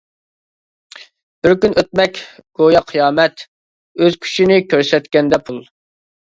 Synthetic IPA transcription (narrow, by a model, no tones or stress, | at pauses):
b̥ɪɾkʲynʔøt̪̚mɛkʲɡ̥ojɑqʰijɑːmɛt̪ | øz̥kʲʰy̥t͡ʃʰinɪkʲʰøɾsɛt̪kʲɛnd̪ɛpʰulˠ